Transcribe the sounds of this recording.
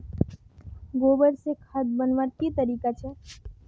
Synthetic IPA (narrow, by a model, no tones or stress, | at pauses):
ɡobəɾsekʰad̪bənʋaɾt̪it̪əɾikat͡ʃʰe